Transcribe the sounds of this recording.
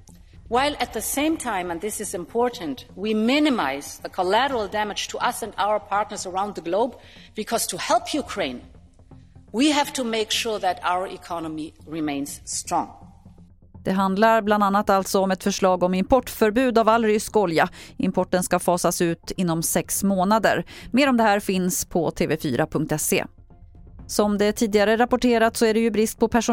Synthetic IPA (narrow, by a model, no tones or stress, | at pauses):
waɪlˠʔɨt̪̚ðɨsẽɪ̃mtʰãɪ̃mə̃nðɪsɨzɨ̃mpʰɔɹʔn̩twimɪnɨmaɪzðəkʰɔlæɾə˞l̩ˠdæmɨd̥d͡ʒ̥tʰəʔʌsɨ̃ndaʊə˞pʰɑɹtnə˞zəɹãʊ̃nðəɡloʊb | bɨkʰɔz̥tʰəhɛlˠpʰjukʰɹ̥ẽɪ̃n | wiɦæv̥tʰumeɪkʃʊɹðɨɾa̰ʊə˞ʔɪkʰɑnəmiɹɪmẽɪ̃nsstɹ̥ɔ̃ŋ | d̪̥ɛɦand̪laɾbland̪anːat̪alt̪sɔɔmɛt̪fœʂɭɑːɡɔmɪmpʰɔʈːfœɾbʉ̟ːd̪avalːɾʏskɔljaɪmpʰɔʈːənskafɑːsasʉ̟ːt̪ɪn̪ːɔmsɛksmoːnad̪ə̰ɾmeːɾɔmd̪ɛhæːɾfɪnspʰɔt̪ʰeːvɛfy̰ːɾʔapʰɵŋk̚t̪ɛsːḛː | sɔmd̪ɛt̪ʰiːd̪ɪɡaɾəɾapʊʈʰeːɾat̪sɔæɖɛjɵbɾɪst̪̚pʰɔpʰæʂʊ